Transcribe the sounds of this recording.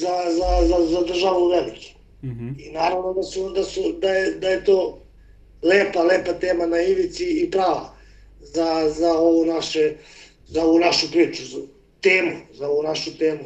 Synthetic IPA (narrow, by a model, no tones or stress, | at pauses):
zazazazad̪r̩ʒaʋuuʋelik̪u̥ | inaːɾaʋnod̪asud̪asud̪ajed̪ajet̪oː | leːpaleːpat̪eːmanaiʋit̪siipɾaːʋa̰ | zazao̞ʋunaʃe | zaoʋunaʃupɾiːt͡ʃuz | t̪eːmuzaoʋunaʃut̪eːmu